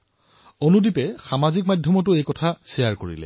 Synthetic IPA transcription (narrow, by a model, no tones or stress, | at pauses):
onudipɛxamazik̚madʱjɔmɔtʊejkɔtʰasejaɹkoɹḭlɛ̰